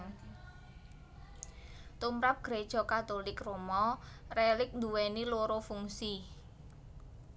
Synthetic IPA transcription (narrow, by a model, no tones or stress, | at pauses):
t̪umɾap̚ɡ̥ɾed̥ʒ̥ɔ̤kat̪olɪkromɔrɛlɪk̚nd̪uwɛniloɾofuŋsi